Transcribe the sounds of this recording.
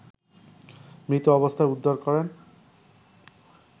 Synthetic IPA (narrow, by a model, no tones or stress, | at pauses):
mɾit̪oɔβost̪ʰaeud̪ʱːoɾkɔɾen